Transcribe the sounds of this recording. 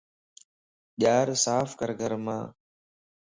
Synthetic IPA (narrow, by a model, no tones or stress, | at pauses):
ɗaːɾsaːfkəɾɡʱəɾmãː